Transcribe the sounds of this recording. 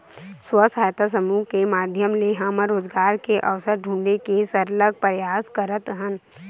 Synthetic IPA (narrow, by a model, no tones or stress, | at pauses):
swəsaːjt̪ʰas̬əmuːɦkemaːd̪ʱjəmleːɦaməɾoːd͡ʒɡaːɾkeʔɐʋsəɾɖʱũːɳɖekesɐɾləɡ̚pəɾjaːskɐɾət̪ɦə̃n